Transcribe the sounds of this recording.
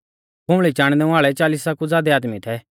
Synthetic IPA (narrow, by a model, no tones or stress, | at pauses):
bʊ̃ɭit͡ʃãːɽ̃d̪ɛ̃aːɭɛt͡ʃaːlisakud͡zaːd̪ɛaːd̪mit̪ʰɛ